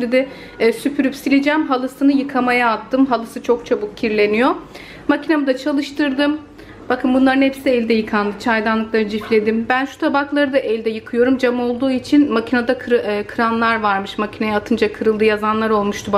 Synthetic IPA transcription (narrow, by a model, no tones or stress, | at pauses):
ɾid̪ɛ | sypʰyɾypsilʲid͡ʒɛːmɦalˠɯsɯnɯjɯkʰamajaːt̪ʰːɯmɦalˠɯsɯt͡ʃʰo̞k̚t͡ʃʰabuk̚cʰiɾlʲe̞nijo̞ | macʰinamɯd̪at͡ʃʰalˠɯʃt̪ɯɾd̪ɯm | b̥akʰɯnbunlˠaɾɯnepsiɛlʲd̪ɛjɯkʰand̪ɯt͡ʃʰajd̪anˠɯk̚lˠaɾd͡ʒiflʲe̞d̪imbænʃu̥t̪ʰabaklˠaɾɯd̪aʔɛlʲd̪ɛjɯkʰɯjo̞ɾumd͡ʒamo̞lˠd̪uːit͡ʃʰinmacʰinad̪akʰɾkʰɯɾanlˠaɾvaɾmɯʃmacʰinajaat̪ʰɯnd͡ʒakʰɯɾɯlˠd̪ɯjazanlˠaɾo̞lˠmuʃt̪ʰuba